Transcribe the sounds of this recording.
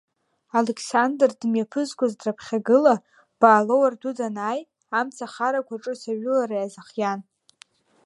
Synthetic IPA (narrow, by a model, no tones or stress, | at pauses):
alekʰsandrdɨmjapʰɨzkʷʼazdrapʰχʲaɡɨla | b̥aːlowardudanaːj | amt͡sʰaχaɾakʷaʈ͡ʂʼɨsaɥʊlaɾajazaχjan